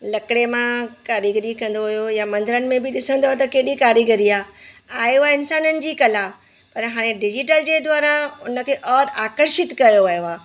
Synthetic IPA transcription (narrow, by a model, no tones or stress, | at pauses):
lɐkɪɽemãkaːɾiɡəɾikɐ̃n̆d̪oɦʊjojamɐ̃nd̪ɪɾənɪ̆mẽbɪɗɪsə̃nd̪oot̪ɐkeːɗikaːɾiɡəɾiaː | aːeaɪnsaːnənɪ̆d͡ʑiːkɐla | pɐɾɦaːɽ̃eɖɪd͡ʑɪʈəld͡ʑeːd̪waːɾãʊnə̆kʰeːʔɔːɾaːkəɾʃɪt̪kɐjoʋɐjoaː